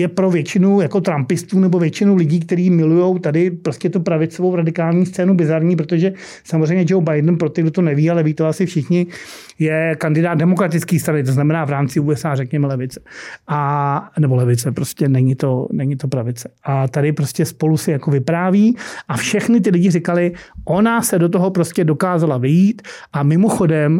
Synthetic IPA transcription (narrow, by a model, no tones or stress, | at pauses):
jɛpɾo̞vjɛt͡ʃɪnujako̞t̪ɾampɪst̪uːnɛbo̞vjɛt͡ʃɪnulɪɟiːkt̪ɛɾiːmɪlujowt̪adɪpɾoscɛt̪upɾavɪt͡sovo̞wɾadɪkaːlɲiːst̪t͡sɛːnubɪzaɾɲiːp̬ɾot̪o̞ʒɛ | samozrɛjmɲɛd͡ʒowbajdn̩pɾot̪ɪɡdot̪onɛviːalɛviːt̪oasɪfʃɪxɲɪ | jɛkandɪdaːt̪dɛmo̞kɾat̪ɪt͡skiːst̪ɾanɪt̪̬o̞znamɛnaːvɾaːmt͡sɪuːɛsaːrɛkɲɛmɛlɛvɪt͡sɛ̥ʔanɛbo̞lɛvɪt͡sɛpɾoscɛnɛɲɪt̪o̞nɛɲɪt̪o̞pɾavɪt͡sɛ̥ʔat̪adɪpɾo̞scʲɛspo̞lusɪjako̞vɪpɾaːviːʔafʃɛxnɪt̪̬ɪlɪɟɪrɪkalɪʔo̞nasɛdo̞t̪oɦo̞pɾoscɛdokaːzalavɪjiːt̪ʔamɪmo̞xo̞dɛm